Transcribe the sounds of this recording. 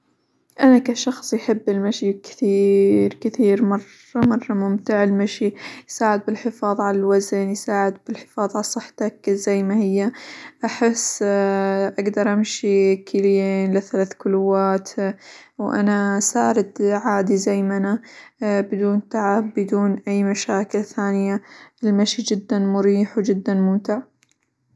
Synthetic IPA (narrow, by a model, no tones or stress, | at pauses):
ʔanakaʃɑxsˤjħɪbːɪlmaʃikɪ̥θiːɾkɪθiːɾmɑrˤːɑmɑrˤːɑmʊmt̪ɪʕɪlmaʃijsaːʕɪd̪̚bɪlħɪfɑːðˤʕalalwaznjsaːʕɪd̪̚bɪlħɪ̥fɑːðˤʕalsˤɨħːt̪akzajːmahɪjːaʔaħɪs | ʔaɡd̪ɑɾˤʔamʃikʰɪljeːnlɪθalaːθkʊluwaːt̪ | wʔa̰nasaːɾɪd̪ʕaːd̪izajmanabɪd̪uːnt̪aʕabːɪd̪uːnʔajːmaʃaːkɪlθaːnɪjaɪlmaʃid͡ʒɪd̪ːanmʊɾiːħwd͡ʒɪd̪ːanmʊmt̪ɪʕ